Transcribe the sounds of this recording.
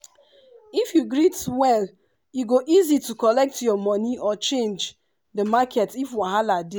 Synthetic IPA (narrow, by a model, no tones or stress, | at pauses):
ifjuɡɹitwɛl | juɡoʔizitukɔlɛk̚tjɔmɔniʔɔt͡ʃẽnd͡ʒ | dəmakʰɛtifwaɦalade